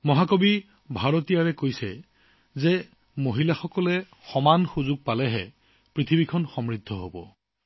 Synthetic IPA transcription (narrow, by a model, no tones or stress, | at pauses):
mɔɦakobi | bʱaɹotijaɹɛkojsɛ | zɛ | moɦilaxɔkɔlɛ | xɔmanxuzʊɡ̚palɛɦɛ | pɹit̪ʰibikʰɔnxɔmɹid̪ʱːɔɦo̰bɔ̰